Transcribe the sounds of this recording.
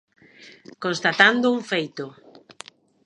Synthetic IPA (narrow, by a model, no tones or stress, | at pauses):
konst̪at̪and̪ʊuŋfejt̪ʊ